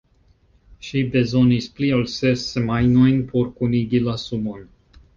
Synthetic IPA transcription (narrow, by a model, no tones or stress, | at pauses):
ʃibe̞zo̞nisplialsesemajno̞jnpʰo̞ɾkuniɡilasumo̞n